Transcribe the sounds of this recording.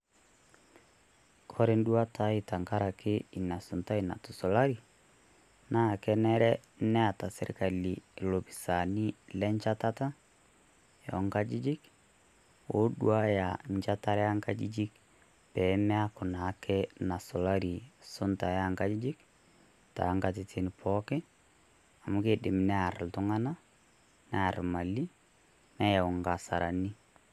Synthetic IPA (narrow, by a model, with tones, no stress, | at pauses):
kʰɔ˦ɾe˦ndwa˦tʰa˦i˨ta˨ŋka˦ɾa˨ke˦i˨na˨sʊ˨nta˦i˨na̰˨tu˨sɔ˨la˦ɾi˨ | na˦˨kɛ˦nɛ˦ɾɛ˦ | nɛ˦a˨ta˨sɛ˦ɾi˨ka˨li˨lo˨pi̥˨sa˨ni˦lɛ˦ɲt͡ʃa˦ta˦ta˦ | jɔ̰˨ŋɡa˦d͡ʒi˦d͡ʒi˦k | o˦dwa˦ja˨ɲt͡ʃa˦ta˦ɾɛa˦ŋka˦d͡ʒid͡ʒi˦k̚ | pɛ˨mɛ˦a˦kʊ˨na˨˦kʰɛ˦na˨sɔ˨la˦ɾi˨sʊ˦nta˨ja˦ŋka˦d͡ʒi˦d͡ʒɪ˦k | ta̰˨˦ŋɡa˨tɪ˦ti˨npʰɔ˦kɛ˦ | a˨mu˦ke˦dɪ˨mnɛ˦a˨ɾltʊ˦ŋa˦na˦ | nɛ˦a˨ɾma˨li˦ | nɛ˦ja˨ɔ˨ŋɡa˨sa̰˨ɾʔa̰˨ni˦